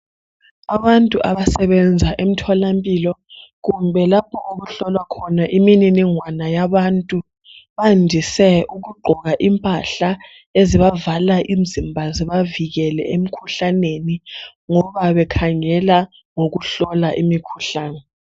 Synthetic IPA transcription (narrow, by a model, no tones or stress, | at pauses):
aβantʼuʔaβasɛβɛnd͡zʱaʔem̩tʰɔlampʼiːlɔɣumbʱɛlapʰɔʔoɣuɬɔlwakʰɔnaʔimininiŋwanajaβantʼu | βandʱisɛuɣuɡ͡ǃʱɔɣaʔimpʼaɬa | eziβavalaʔim̩zimbʱaziβaviɣɛlɛʔem̩kʰuɬaneniŋɔβaβɛkʰaŋɛla | ŋoɣuɬɔlaʔimikʰuɬaːnɛ